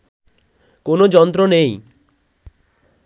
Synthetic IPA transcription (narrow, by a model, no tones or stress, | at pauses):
konod͡ʑɔnt̪ɾonej